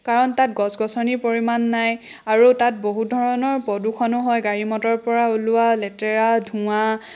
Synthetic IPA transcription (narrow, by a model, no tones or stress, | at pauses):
kaɹɔntat̚ɡɔsɡɔsɔnipoɹimanːaj | aɹutat̚boɦudʱɔɹɔnɔɹpɔdukʰɔnʊɦɔjɡaɹimɔtɔɹpɔɹaolʊalɛtɛɹadʱũa